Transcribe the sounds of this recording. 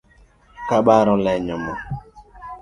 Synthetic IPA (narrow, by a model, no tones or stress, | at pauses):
kaɓaɾɔlɛɲɔmɔ